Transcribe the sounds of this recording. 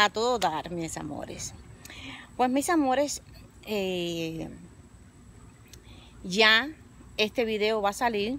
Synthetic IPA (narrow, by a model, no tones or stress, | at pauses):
at̪o̞ðoðaɾmisa̰mo̰ɾes | pwe̞smisamo̞ɾes | e | ʝa | e̞st̪e̞βiðe̞oβasaliɾ